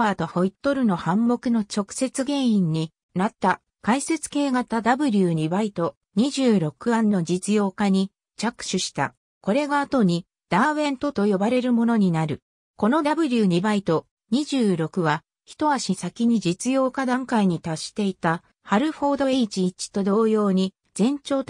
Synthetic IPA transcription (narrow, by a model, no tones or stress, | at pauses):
at̪o̞ho̞it̪ːo̞ɾɯ̟no̞hãmːo̞kɯ̟no̞t͡ɕo̞kɯ̟̥se̞t͡sɨɡẽ̞ɰ̃ĩɲ̟ːi | nat̪ːa | kaise̞t͡sɨ̥ke̞ːɡat̪ad̪abɯ̟ɾʲɯːɲ̟ibait̪o̞ | ɲ̟iʑɨːɾo̞kɯ̟ãnːo̞d͡ʑit͡sɨjo̞ːkaɲ̟i | t͡ɕakɯ̟̥ɕɨɕi̥t̪a̰ | ko̞ɾe̞ɡaːt̪o̞ɲ̟i | d̪̥aːβẽ̞nt̪o̞t̪o̞jo̞baɾe̞ɾɯ̟mo̞no̞ɲ̟inaɾɯ̟ | ko̞no̞d̪abɯ̟ɾʲɯɲ̟ibait̪o̞ | ɲ̟iʑɨːɾo̞kɯ̟βa | çi̥t̪o̞βaɕisakʲiɲ̟id͡ʑit͡sɨjo̞ːkad̪ãŋkaiɲ̟it̪aɕi̥t̪e̞it̪a | haɾɯ̟ɸo̞ːd̪o̞eit͡ɕiːt͡ɕi̥t̪o̞d̪o̞ːjo̞ːɲ̟i | z̥ẽ̞ɲt͡ɕo̞ː